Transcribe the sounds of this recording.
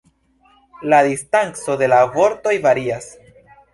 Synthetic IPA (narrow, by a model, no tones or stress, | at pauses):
ladistaŋt͡so̞de̞lavo̞ɾto̞jvaɾias